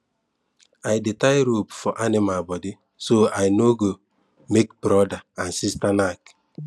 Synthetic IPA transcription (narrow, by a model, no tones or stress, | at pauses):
ajdɪtaɪɾopfɔʔanɪmalbɔdɪ | soajnoɡo | mekbɾɔdaansistanak